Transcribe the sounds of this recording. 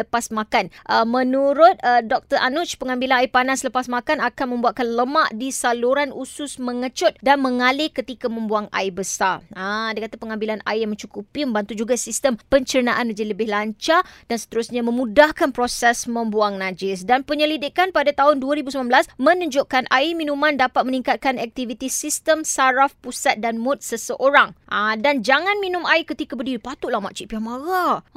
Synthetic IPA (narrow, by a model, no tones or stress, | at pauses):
əpasmakanʔəmə̃nuɾʊt̪̚dɔk̚t̪əɾʔanut͡ʃpəŋãmbilanaipanasləpasmakanakanmə̃mbuaʔ̪̚kanləmaʔdisaluɾanusʊsmə̃ŋət͡ʃʊt̪̚danmə̃ŋalɪkət̪ikamə̃mbuaŋa̰ibəsaraadakat̪apəŋãmbilana̰iamə̃ɲt͡ʃukupimə̃mbant̪ud͡ʒuɡasist̪əmpəɲt͡ʃəɾənaʔanəd͡ʒiləbɪɦlaɲt͡ʃad̥ansə̥t̪əɾusɲamə̃mũdahkanpɾosɛsmə̃mbuaŋnad͡ʒɪs̬danpəɲəlidɪkanpadat̪aɦʊnduaɾibusəmãnbəlasmə̃nəɲd͡ʒoʔkanʔaimĩnũmãndapat̪̚mənĩŋkat̪̚kanɛk̚t̪ivit̪isist̪əmsaɾafpusat̪̚danmʊt̪̚səsəʔoɾaŋʔadand͡ʒaŋãnmĩnũmaikət̪ikabədiipat̪ʊʔlahma̰ʔt͡ʃiʔpiamaɣa